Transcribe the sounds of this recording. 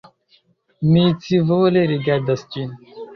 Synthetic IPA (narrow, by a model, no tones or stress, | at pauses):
mit͡sivoleɾiɡʲad̪əst͡ʃin